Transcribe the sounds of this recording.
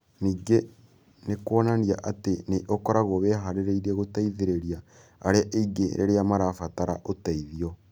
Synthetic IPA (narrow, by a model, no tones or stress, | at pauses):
niːɡe | nekwonaniaʔateneʔokoɾaɣoβeɦaɾeɾeiɾeɣotaiðeɾeɾiaː | ɾeʔeiɡḛɾḛɾeamaɾaːfataɾa̰ʔotaiðio